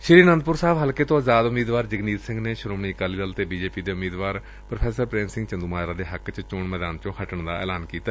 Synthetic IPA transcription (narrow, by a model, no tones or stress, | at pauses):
ʃɪɾiːnənd̪̚pʊɾsaːʋɦəlkeːt̪õːazaːd̪ʊmiːd̪ʋaːɾd͡ʒəɡniːt̪sɪ̃ŋɡneːʃɾoːmɳiːkaːliːləlt̪eːbiːd͡ʒeːpiːd̪eːʊmiːd̪ʋaːɾ | pɾəpʰɛːsəɾpɾẽːnsɪ̃ŋɡt͡ʃənd̪uːmaːɾaːd̪eːɦəkt͡ʃt͡ʃoɳmɛːd̪aːnt͡ʃõːhəʈəɳd̪a̰ːɛ̰ːlaːnkiːt̪a